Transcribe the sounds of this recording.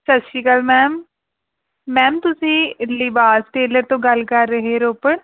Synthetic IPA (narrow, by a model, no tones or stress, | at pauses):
sɐtːʃiːkəlmɛːm | ɛːmt̪ʊsĩːlibaːsʈeːləɾt̪õɡɐlkɐɾːəɦeɾoːpəɽ